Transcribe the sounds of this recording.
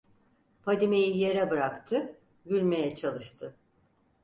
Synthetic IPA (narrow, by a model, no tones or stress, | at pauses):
pʰad̪imejije̞ɾɛbɯɾakt̪ʰɯ | ɟylʲme̞jɛt͡ʃʰalˠɯʃt̪ʰɯ